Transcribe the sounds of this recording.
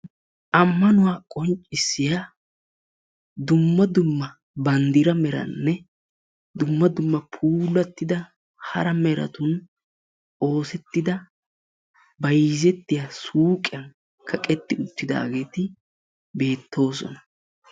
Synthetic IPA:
ʔɐmːɐnʊwaːkʼɔnt͡ʃʼːɪsːɪja | d̪ʊmːɐd̪ʊmːɐ | bɐnd̪ɪɾɐmɛɾɐ̰nːɛ | d̪ʊmːɐd̪ʊmːɐpʰuːlːɐt̪ːɪd̪ɐ | hɐ̰ɾɐmɛɾɐ̰t̪ʊn | o̞ːsɛt̪ːɪd̪ɐ | bɐjzɛt̪ːɪjasuːkʼɪjɐn | kʰɐkʼɛt̪ːɪʊt̪ːɪd̪a̰ːɡe̞ːt̪ɪ | be̞ːt̪ːo̞ːsɔ̰nɐ̥

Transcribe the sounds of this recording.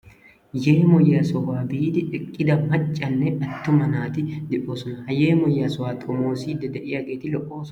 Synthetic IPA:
jeːmɔjːaːsɔwaːbiːd̪ɪʔɪkʼːɪd̪ɐmɐt͡ʃʼːɐnːɛɐt̪ːʊmɐnaːt̪ɪd̪ɪʔoːsʊnɐhɐjeːmɔjːasɔwaːt̪ʼɔmoːsiːd̪ɐd̪ɐʔɪːɐɡeːt̪ɪlɔʔoːs

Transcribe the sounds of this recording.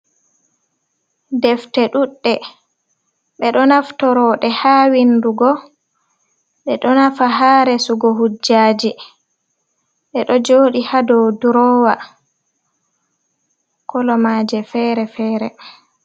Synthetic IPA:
dɛftɛɗuɗːɛ | ɓɛɗɔnaftɔɾɔɗɛhaːwinduɡɔ | ɓɛɗɔnafaɦaːɾɛsuɡɔɦud͡ʒːaːd͡ʒi | ɓɛɗɔd͡ʒoːɗihadɔwduɾɔːwa | kʰɔlɔmaːd͡ʒɛfɛɾɛfɛːɾɛ

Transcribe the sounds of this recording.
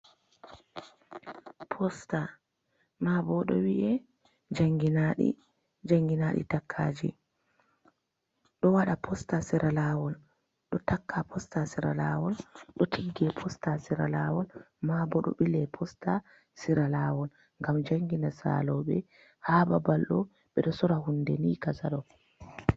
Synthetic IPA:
pʰɔsta | mabɔɗɔ̰wiʔɛ | d͡ʒaŋɡinaɗḭ | d͡ʒaŋɡinaɗḭtakʰːaːd͡ʒḭ | ɗɔwaɗapʰɔstasiɾʔalawɔl | ɗɔtakʰːapʰɔstasiɾa̰lawɔlɗɔtʰiɡːɛpʰɔstasiɾalawɔl | mabɔɗɔ̰ɓilɛpʰɔsta | siɾalawɔl | ŋɡamd͡ʒaŋɡinasa̰lɔɓɛ | hababalɗɔ | ɓɛɗɔsɔɾahundɛnikasaɗɔ

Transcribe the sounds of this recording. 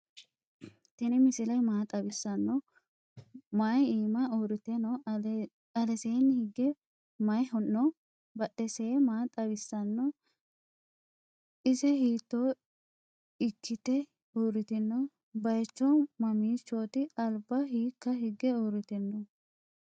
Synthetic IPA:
t̪ɪnɪmɪsɪlɐjmaːt̪ʼɐbɪsːɐnːɔ | majiːmɐuɾɪt̪ɛnɔ | ɐlɛseːnːhɪɡːɛ | mɐjɔnːɔ | bɐɗɛseːmaːt̪ʼɐbɪsːɐnːɔ | ɪsɛhiːt̪ːoː | ɪkʰːɪt̪ɛ | uːɾɪt̪ɪnːɔ | bɐjt͡ʃːɔmɐmiːt͡ʃːoːt̪ɪɐlbɐhiːkːɐɦɪɡɛuːɾɪt̪ɪnːɔ

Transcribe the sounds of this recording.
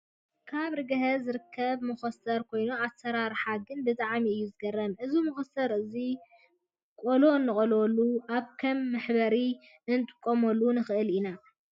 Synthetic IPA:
kʰaβɾɨɡɐɦɐzɨɾɨkʰːɐβmɨxosɐɾkʰo̞jnuasɐɾaɾħaɡɨnbɨt̪ʼaʕmiɨjːuzɨɡɐrːɐnʔɨzumɨxosɐɾɨzi | kʼolo̞ɨnːɨkʼololːuʔaβkʰɐmːɐħbɐɾi | ɨnt̪ʼɨ̥kʼːomolːunɨxɨʔɨlina

